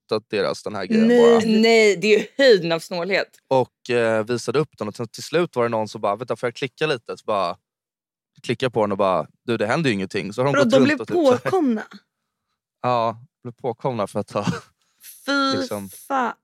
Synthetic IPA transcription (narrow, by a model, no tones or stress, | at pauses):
t̪at̪̚d̪̥eːɾa̰sd̪ɛnhæ̰ːɡɾɛ̰ːnnɛjd̪ɛjʏhœjd̪ənavsnoːlheːt̪ | ɔkviːsad̪əɵpːd̪ɛnɔsɛnt̪ʰɪlslʉ̟ːt̪vaɾɛnɔnːsɔmbɑːɾavɛt̪vafoːjakʰlɪkːaliːt̪əsɔ̥bɑːɾa | kʰlɪkːapʰɔd̪ɛnɔbɑ̰ːɾa̰d̪ʉːd̪ɛɦɛnd̪əɾjɵɪŋːənt̪ʰɪ̰ŋːsɔhaɾmɔt̪ɔblɪvɔpːʰoːkʰɔmna | ɑːd̪ɔblɪvpʰoːkʰɔmnafœɾat̪hɑ | fisɔma